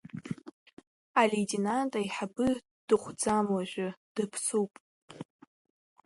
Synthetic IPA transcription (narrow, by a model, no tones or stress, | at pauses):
aletʼenantʼaiħabɨ | d̥ɨχʷd͡zamwaʒʷᶣʊd̥ɨpʰsupʼ